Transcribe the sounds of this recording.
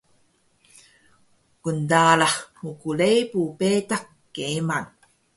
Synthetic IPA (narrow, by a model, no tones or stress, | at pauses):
kundalaxmukulejpupetakːejman